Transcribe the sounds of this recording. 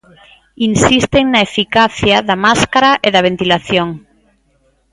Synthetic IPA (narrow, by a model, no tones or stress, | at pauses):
insist̪eŋnaefikaθjaðamaskaɾaʔeðaβ̞ent̪ilaθjoŋ